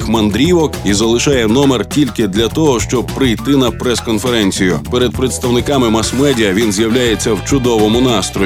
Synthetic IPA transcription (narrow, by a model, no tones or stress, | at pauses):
xmɐnd̪ɾʲiʋɔkizɐlˠɪʃɑjɛnɔmertʲilʲkɪd̪lʲɐt̪ɔɦɔʃt͡ʃɔb̚pɾɪjt̪ɪnɐpɾɛskɔnfeɾɛnʲt͡sʲijʊpeɾed̪̚pɾet̪st̪ɐwnɪkɑmɪmɐsmɛdʲiɐʋʲinzʲjɐwlʲajet͡sʲːɐwt͡ʃʊd̪ɔʋɔmʊnɑst̪ɾɔ